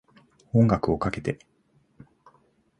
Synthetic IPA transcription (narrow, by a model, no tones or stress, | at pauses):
õ̞ŋɡakɯ̟o̞kake̞t̪e̞